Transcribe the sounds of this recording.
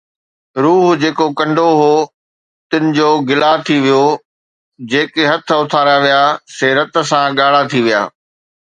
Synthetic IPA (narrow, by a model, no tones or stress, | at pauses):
ɾuːɦd͡ʑeːkokɐ̃ɳɖʱoɦoː | t̪ɪnɪ̆d͡ʑoːɡɪlaːt̪ʰiʋijo | d͡ʑeːkeɦɐt̪ʰə̆ʊt̪ʰaːɾaʋijaseːɾət̪s̬ãɠaːɽ̤at̪ʰiʋija̰ː